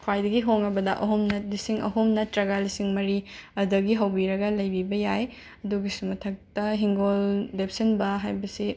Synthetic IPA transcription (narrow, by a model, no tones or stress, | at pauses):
kʰwajdɐɡiɦoŋɐbɐdɐʔɐɦumnɐlisiŋɐ̰ɦumnɐtɾɐɡalisiŋmɐɾiɐdɐɡiɦɐwbiɾɐɡɐlɐjbibɐjaj | ɐduɡisumɐtʰɐk̚tɐɦiŋɡoldepsɐnbɐɦajbɐsi